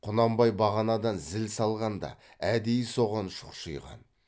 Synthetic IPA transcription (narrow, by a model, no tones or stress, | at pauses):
qʰʊnɑmbɑjbɑʁɑnɑd̪ɑnzɪlsɑlˠʁɑnd̪ɑ̰ | æd̪ejɪso̞ʁɑnʃʊ̥qʃəjʁɑ̰n